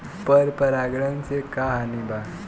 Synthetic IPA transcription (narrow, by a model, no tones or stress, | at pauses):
pəɾpəɾaɡɽənt͡sekaɦaniba